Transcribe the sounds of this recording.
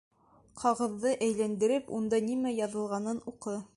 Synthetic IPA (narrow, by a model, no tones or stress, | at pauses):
qʰɑʁɤ̆ðːɤʔæjlænd̪ɘ̆ɾɘpund̪ɑnimæjɑðɤ̆lˠʁɑnɤnuqɤ